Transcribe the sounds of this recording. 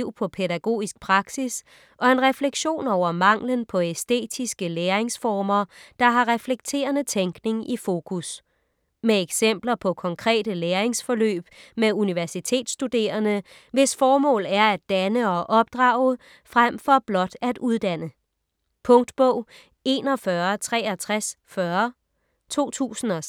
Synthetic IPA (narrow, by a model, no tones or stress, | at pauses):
ʊ̰pʰɒ̽pʰedæɡ̥o̝̰ːisɡ̥̚pʰʁɑ̈ɡ̥sis | ʔɒ̽e̝nʁɛfleɡ̥ɕo̝̰ːnɒʊ̰ɐmɑ̈ŋ̰lənpʰɒ̽esd̥e̝̰ːd̥isɡ̥əleːɐeŋsfɒːmɐd̥ɑ̈ɦɑ̈ʁɛfleɡ̥̚t͡sʰe̝̰ːɐnət͡sʰeŋɡ̥ne̝ŋifo̝ːkʰus | meeɡ̥sem̰b̥lɐpʰɒ̽kʰɒ̽ŋkʰʁɛ̰ːd̥əleːɐe̝ŋsfɒ̽lø̰ːb̥meuniʋæɐsit͡sʰe̝̰ːd̥sd̥ud̥e̝̰ːɐnə | ʋe̝sfɒːmɔ̰̽ːlæɐædd̥ænəɒ̽ʔɒ̽b̥̚d̥ʁɑ̈ːʊə | fʁam̰fɒ̽b̥lɒ̽d̥æd̥uð̞ˠd̥æn̰ə | pʰɔ̽ŋd̥b̥ɔʊ̰ | e̝ːnɒ̽fɶɐt͡sʰʁɛ̰ːæt͡sʰʁasfɶːɐ | t͡sʰo̝̰ːt͡sʰṵːsn̩ɒ̽